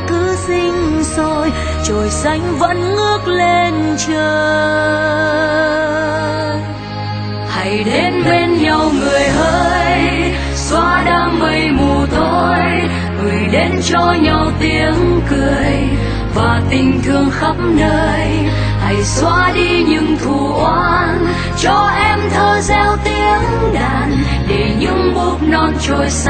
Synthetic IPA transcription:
kɨ˧˦sï˧ŋ̟zo˧j | t͡ɕo˨˩jsa˨˧˦jŋ̟və̰˧˥nːɨ˦˥ək̚le˧nt͡ɕəː˧ | ha˨˧˩jɗe˨˧˦nɓe˧nɲa˨˩wŋɨ˨˩əjɦəː˧j | swaː˧ɗaː˧ŋmə˨˩jmu˨˩t̪ʰo˧j | ŋɨ˨˩əjɗe˧˦nt͡ɕɔ˧ɲə˨˩wt̪i˧˥əŋkɨ˨˩əəj | vaː˨˩t̪ï˨˩ŋ̟t̪ʰɨ˨˩əŋxə˧˦˥p̚nəː˧j | ha˨˧˩jswaː˧ɗi˧ɲɨ̰˧˥ŋt̪ʰu˧˩ʔwaː˧n | t͡ɕɔ˧ʔɛ˧mt̪ʰəː˧zɛ˧wt̪i˧˥əŋɗaː˧˨˩n | ɗe˧˩ɲɨ̰˧˥ŋɓu˧˥t̚nɔ˧nt͡ɕo˨˩js

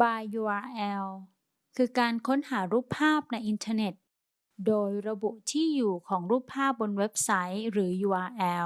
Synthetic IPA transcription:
baː˧juː˧ʔaː˧ʔɛː˧w | kʰɯː˧kaː˧nkʰo˦˥nhaː˩˦ɾuː˥˩pʰːaː˥˩p̚na˧jʔi˧nt̪ʰaː˧ne˨˩t̪̚ | doː˧jɾa˧bu˨˩ʔt̪ʰiː˥˩juː˨˩kʰɔː˩˦ŋɾuː˥˩pʰːaː˥˩p̚bo˧nwe˦˥p̚sa˦˥jɾɯː˩˦juː˧ʔaː˧ʔɛː˧w

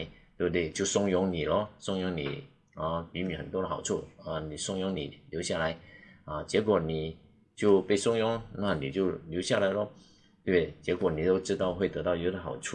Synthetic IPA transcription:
ɪt̪we˥˧ɪt̪we˥˩ɪt͡ɕjo˥˩ʊsʊ˥ŋjʊ˧˥ŋni˨˩lə˧˦sʊ˥ŋjʊ˧˥ŋnḭ˨˩˦ | ə˧˩y˧˥my˨˥xə˨˩nt̪wɔ˥ɾə˨xɑ˨˩ʊʈ͡ʂʰu˥˩a˥˩ni˨˩sʊ˥ŋjʊ˧˥ŋnḭ˨˩˦ljo˧˥ɕja˥˩la˧˥ɪa˥˧t͡ɕjɛ˧˥kwɔ˨˩ni˨˩ | t͡ɕjo˥˧ʊpe˥˩ɪsʊ˥ŋjʊ˧˥ŋna˥˩ni˨˩t͡ɕjo˥˩ʊljo˧˥ɕja˥˩la˧˥ɪlə˧ | t̪we˥˩ɪt͡ɕjɛ˧˥kwɔ˨˩ni˨˩t̪o˥ʊʈ͡ʂɻ̩˥t̪ɑ˥˧ʊxwe˥˩ɪt̪ɤ˧˥t̪ɑ˥˩ʊjo˧˥d̪ə˧˩xɑ̰˨˩ʊʈ͡ʂʰu˥˩

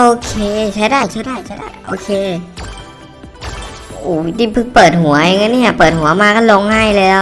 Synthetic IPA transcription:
ʔoː˧kʰeː˧˩t͡ɕʰa˧˩jdaː˧˥˩jt͡ɕʰaː˧˥˩daː˧˥˩jt͡ɕʰa˧˥˩da̰˥˩jʔo̰ː˧˩kʰeː˧ | ʔuː˧˩˧t̪iː˧˩pʰɯ˧˩pɤː˨˩t̪̚hu˩˦ɐja˨˧˩ŋːa˧˥nːiː˧˥˩pɤː˨˩t̪̚hu˨˩˦ɐmaː˧ka˥˩lɔː˧ŋhaː˥˩jlɛː˦˥w

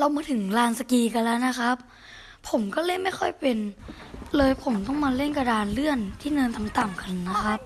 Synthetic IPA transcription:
la˧wmaː˧t̪ʰɯ˨˩˦ŋlaː˧nsa˧kiː˧ka˧nla˦˥na˦˥kʰa˦˥p̚ʰː | o˩˦mkɔː˥˩lɤ˧˥˩jma˥˩jxʰɔ˥˩jpe˧n | lɤː˧jpʰo˨˩˦mt̪ɔ˥˩ŋmaː˧le˥˩nka˧daː˧nlɯ˥˩ənt̪ʰiː˥˩nɤː˧nt̪ʰa˨˧mt̪a˨˩mkʰa˧nːa˦˥xʰa˦˥p̚

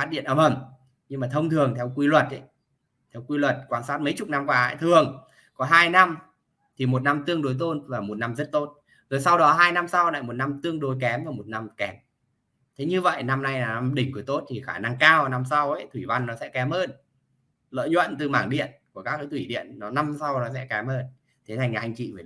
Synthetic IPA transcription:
faː˦˥t̚ɗḭ˧˨ənəː˧˩mʔə˨˩m | ɲɨ˧maː˨˩t̪ʰə˧wŋ͡mt̪ʰɨ˨˩əŋt̪ʰɛ˧wkwi˧lwə˨˩t̚ʔə˨˦j | t̪ʰɛ˧wkwi˧lwə˨˩t̚kwaː˧nsaː˦˥t̚mə˨˦jt͡ɕʊ˨˩k͡p̚na˧mkwaː˨˦˧jt̪ʰɨ˨˩əŋ | kɔ˨˦ɦaː˧jna˧m | t̪ʰi˨˩mo˨˩t̚na˧mt̪ɨ˧əŋɗo˨˦jt̪̬o˧nvaː˨˩mo˨˩t̚na˧mzə˦˥t̚t̪o˦˥t̚ | zo˨˩jsa˧wɗɔ˨˦ɦaː˧jna˧msa˧wla̰ː˧˨jmo˨˩t̚na˧mt̪ɨ˧əŋɗo˨˦jkɛ˨˦mvaː˨˩mo˨˩t̚na˧mkɛ˨˦m | t̪ʰe˨˦ɲɨ˧və̰˧˨jna˧mna˧jaː˨˩n˧ɗï˨˩ŋ̟kɨ˨˦t̪o˦˥t̚t̪ʰi˨˩xaː˧˩na˧ŋkaː˧wna˧msa˧wə̰˧˦jt̪ʰwi˧˩va˧nːɔ˨˦sɛ̰˧˥kɛ˨˦mʔəː˧n | lə̰ː˧˨jɲwə̰˧˨nt̪ɨ˨˩maː˧˩ŋɗḭ˧˨ənku˧˩əkaː˦˥k̚ə˨˦t̪wi˧˩ɗḭ˧˨ənːɔ˨˦na˧msa˧wnɔ˨˦sɛ̰˧˥kɛ˨˦mʔəː˧n | t̪ʰe˨˦nʰa˨˩ŋ̟aː˨˩ʔa˧ŋ̟t͡ɕḭ˧˨vəː˧˩

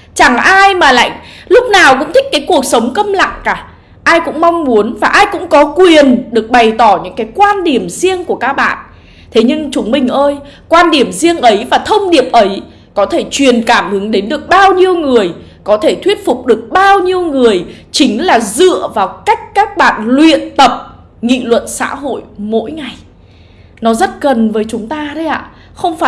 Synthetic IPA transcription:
t͡ɕa˧˩ŋʔaː˧jmaː˨˩la̰ː˧˨jŋ̟ | lʊ˦˥k͡p̚naː˨˩wkʊ̰˧˥ŋ͡mt̪ʰï˦˥k̟̚kaː˨˦jku˨˩ək̚sə˨˦wŋ͡mkə˧mla̰˧˨ŋkaː˧˩ | ʔaː˧jkʊ̰˧˥ŋ͡mmɔ˧wŋ͡mmu˨˦ənvaː˨˩ʔaː˧jkʊ̰˧˥ŋ͡mkɔ˨˦kwi˨˩ənɗɨ˨˩ək̚ɓa˨˩jt̪ɔ˧˩ɲɨ̰˧˥ŋkaː˨˦jkwaː˧nɗi˨˩əmzi˧əŋku˧˩əkaː˦˥k̚ɓa̰ː˧˨n | t̪ʰe˨˦ɲɨ˧ŋt͡ɕʊ˨˦ŋ͡mmï˨˩ŋ̟ʔəː˧jkwaː˧nɗi˨˧˩əmzi˧əŋʔə˨˦jvaː˨˩t̪ʰə˧wŋ͡mɗi˨˩əp̚ʔə˨˦j | kɔ˨˦t̪ʰe˧˩t͡ɕwi˨˩ənkaː˧˩mhɨ˨˦ŋɗe˨˦nɗɨ˨˩ək̚ɓaː˧wɲi˧əwŋɨ˨˩əjkɔ˨˦t̪ʰe˧˩t̪ʰwi˦˥ət̚fʊ˨˩k͡p̚ɗɨ˨˩ək̚ɓaː˧wɲi˧əwŋɨ˨˩əjt͡ɕï˨˦ŋ̟laː˨˩zɨ̰˧˨əvaː˨˩wka˦˥jk̟̚kaː˦˥k̚ɓa̰ː˧˨nlwḭ˧˨ənt̪ə˨˩p̚ | ŋḭ˧˨lwə̰˧˨nsa̰ː˧˥ɦo̰˧˨jmo̰˧˥jŋa˨˩j | nɔ˨˦zə˦˥t̚ɣə˨˩nvəː˨˦jt͡ɕʊ˨˦ŋ͡mt̪aː˧ɗə˧jʔa̰ː˧˨ | xə˧wŋ͡mfaː˧˨

